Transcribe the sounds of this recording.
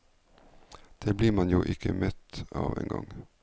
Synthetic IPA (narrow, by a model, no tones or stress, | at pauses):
d̪̥eːbliːɾmɑnjuːʔɪkʰəmœt̪ɑːʋḛːŋɡɔ̰ŋ